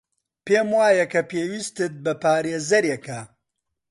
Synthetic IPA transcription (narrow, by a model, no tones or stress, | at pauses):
peːmwaːjɐkʰɐpeːwiːst̪ɨt̪̚bɐpaːɾeːzɐɾjekʰɐ